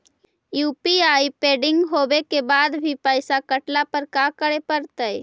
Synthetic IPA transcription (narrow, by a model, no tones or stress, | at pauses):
juːpiaipeːɖɪ̃ŋɡɦobekebaːd̪bʱipəɪsakəʈlapəɾkakəɾepəɾt̪əj